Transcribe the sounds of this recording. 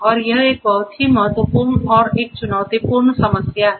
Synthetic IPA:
ʌɾjʌɦek̚bʱʌwt̪ʰimʌɦʌt̪wəpuɾnɔɾek̚t͡ʃunawt̪ipurnsʌməsja

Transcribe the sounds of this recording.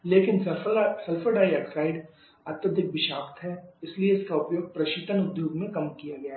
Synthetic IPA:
leːkɪnsɐsɐlfʰəɖaːiɛːksaːɪɖ | ɐt̪jəd̪ɪk̚ʋɪʃaːkt̪ɦɛːɪslieɪskaʊpjoːɡ̚pɾɐʃiːt̪ənʊd̪joːɡmẽkɐmkijaɡɐjaɦ

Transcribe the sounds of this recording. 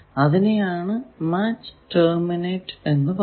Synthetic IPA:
ɐðinejaːɳɨmaːt͡ɕːɨ̥ʈɐːmineːʈːe̞nːɨpɐ

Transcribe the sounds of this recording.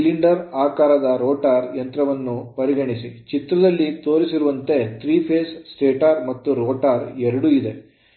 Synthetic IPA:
liɳɖɐɾaːkaːɾɐd̪ɐɾoːʈaːɾjɐnt̪ɾɐʋɐnːupɐɾiɡɐɳisit͡ʃit̪ɾɐd̪ɐlːit̪o̞ːɾisiɾuʋɐnt̪e̞t̪ʰɾiːpʰeːssʈeːʈaːɾmɐt̪ːuɾoːʈaːɾɛɾɐɽuid̪e̞

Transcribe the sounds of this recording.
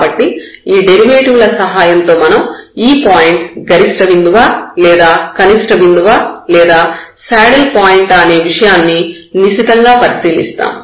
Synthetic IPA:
bɐʈːi | iːɖeɾiʋeːʈiʋlɐsɐɦaːjɐnt̪o̞ːmɐnɐmiːpaːjiɳʈɡɐɾisʈɐʋind̪uʋaːlɛːd̪aːkɐnisʈɐʋind̪uʋaːlɛːd̪aːsaːɽɐlpaːjiɳʈɐne̞ːʋiʂɐjaːnːi | nisit̪ɐŋɡaːpɐɾisiːlḭst̪a̰ːm

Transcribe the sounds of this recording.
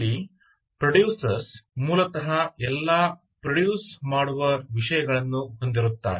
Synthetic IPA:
i | pɾɐɽjuːsɐɾsmuːlɐt̪ɐɦɐɛlːa | pɾɐɽjuːsmaːɽuʋɐʋiʂɐjɐɡɐɭɐnːuɦo̞nd̪iɾut̪ːa̰ːɾ

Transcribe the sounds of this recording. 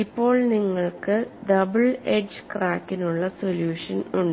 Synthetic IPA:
ipːo̞ːɭniŋːɐɭkɨɖɐbɨɭeɖd͡ʑɨkraːkːinuɭːɐsoljuːʂɐnuɳɖ

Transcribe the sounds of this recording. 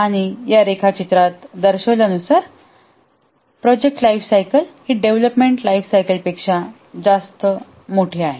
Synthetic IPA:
aɽ̃ijaɾekʰat͡ɕit̪ɾat̪d̪əɾɕəʋlənusaɾ | pɾɔd͡ʑek̚ʈlaifsajkəlhiɖeʋləpmeɳʈlaifsajkəlpekʂa | d͡zast̪ə | moʈʰeaɦe

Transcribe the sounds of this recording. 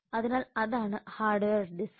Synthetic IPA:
ɐðinaːlɐðaːɳɨhaːrɖʋeːrɖis

